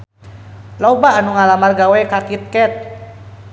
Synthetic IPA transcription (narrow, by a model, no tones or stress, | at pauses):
lɔbaːnuŋalamarɡawɛkakit̪̚kɛt̪̚